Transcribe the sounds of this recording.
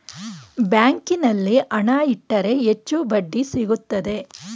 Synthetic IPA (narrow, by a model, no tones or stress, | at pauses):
bjaːŋkinɐlːiʔɐɳaːiʈːɐɾe̞et͡ʃːubɐɖːisiɡut̪ːɐd̪e̞